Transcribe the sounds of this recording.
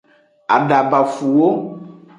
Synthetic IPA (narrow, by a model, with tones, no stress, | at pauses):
a̰˨ɖa˨ba˨fu˨wo˦